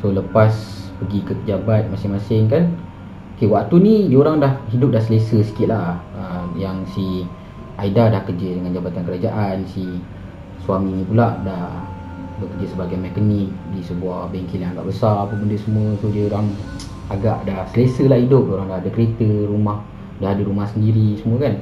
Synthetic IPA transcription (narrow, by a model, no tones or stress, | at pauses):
soləpaspəɡikəkəd͡ʒabat̪̚masɪŋmasɪŋkan | okewak̚t̪unidiəoɾaŋdahɦidʊp̚dahsəlesəsi̥kɪt̪̚laəmjaŋsi | ʔaidadahkərd͡ʒədəŋand͡ʒabat̪ankəɾad͡ʒaʔansi | swamiɲipulaʔdah | bəkərd͡ʒəsəbaɡajmɛkənik̚disəbuahbəŋkilaŋaɡa̰ʔbəsaɾapəbəndəsəmuət̪udiəoɾaŋ | aɡaʔdahsəlesəlahidʊp̚doɾaŋdahadəkəɾet̪əɾumah | daɦadəɾumahsəndiɾisəmuəkan